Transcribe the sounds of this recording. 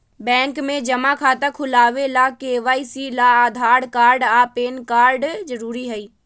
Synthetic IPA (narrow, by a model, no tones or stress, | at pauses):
bɛ̃ːŋkmẽd͡ʒɐmakʰaːt̪akʰʊlaːʋelakeːʋaːisilaaːd̪ʱaːɾɖkaːɾɖapeːnkaːɾɖd͡ʒəɾuːɾiɦɛiː